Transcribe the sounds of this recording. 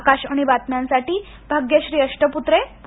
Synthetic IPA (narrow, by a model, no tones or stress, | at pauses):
kaɕaɽ̃iʋat̪njãnsaʈiː | bʱaɡjəɕɾiːəʂʈəput̪ɾep